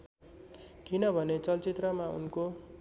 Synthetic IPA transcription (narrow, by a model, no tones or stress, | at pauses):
kinʌbʱʌnet͡sʌlt͡sit̪rʌmaṵnko